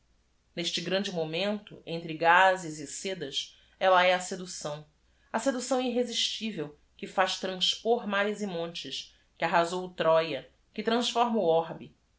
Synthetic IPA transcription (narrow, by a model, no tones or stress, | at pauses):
neʃt͡ʃɪɡɾɐ̃d͡ʒɪmomẽnt̪ʊ̰ẽnt̪ɾɪɡazɪzɪsed̪ɐs | ɛlɐɛɐsed̪usɐ̃w̃ | ɐsed̪usɐ̃w̃iɦeziʃt͡ʃivew | kɪfaʃt̪ɾɐ̃spoɾmaɾizɪmõnt͡ʃɪʃ | kɪaɦazowut̪ɾɔjɐ | kɪt̪ɾɐ̃sfɔɾmɐuɔɾbi